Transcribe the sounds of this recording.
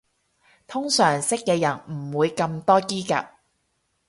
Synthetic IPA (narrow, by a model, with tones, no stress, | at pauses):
t̪ʰʊ˥ŋsœː˨˩ŋsɪ˥kːɛː˧jɐ˨˩nm̩˨˩wuː˨˧jkɐ˧mt̪ɔː˥kiː˥ka̰ː˨p̚